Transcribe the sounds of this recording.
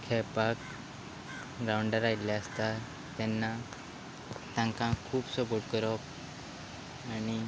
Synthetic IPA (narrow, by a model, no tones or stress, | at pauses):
kʰɛpak̚ | ɡɾauɳɖəɾailjaəst̪a | t̪ɛnːa | t̪ãŋkãkʰuːpsɔpoʈkəɾɔp | ani